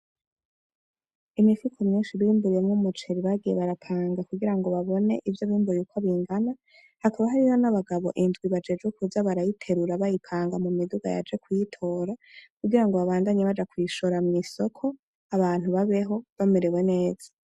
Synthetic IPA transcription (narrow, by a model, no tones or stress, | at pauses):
imifikʰomɲiːnʃiβimbuɾijemŋumut͡ʃe̞ɾiβaɡijeβaɾapʰaːŋɡakuɡiɾaŋɡo̞βaβo̞ne̞ʔivjoβiːmbuɾijukʰoβiːŋɡana | hakaβaɦaɾiho̞naβaɡaβo̞̰ʔinzɡwiβad͡ʒe̞d͡ʒɡekuzaβaɾajitʰe̞ɾuɾaβajipʰaːŋɡamumiduɡa̰ja̰d͡ʒe̞kwujitʰo̞ːɾakuɡiɾaŋɡo̞βaβaːndaɲeβad͡ʒakwiʃoɾamŋiso̞kʰo̞ | aβaːn̥huβaβe̞ɦo̞βameɾe̞we̞ne̞ːz̥ḁ